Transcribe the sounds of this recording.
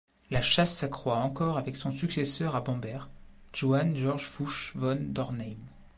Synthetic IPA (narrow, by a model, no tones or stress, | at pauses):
laʃasːakχwaɑ̃kɔʁavɛksɔ̃syksesœʁabɑ̃bɛʁʒ̥oanʒɔʁʒfuʃvɔnd̪ɔʁnɛjm